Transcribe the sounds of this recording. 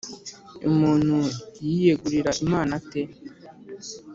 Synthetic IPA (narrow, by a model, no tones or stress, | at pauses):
ṵmuːn̥hujijeɡuɾiɾaʔimaːnate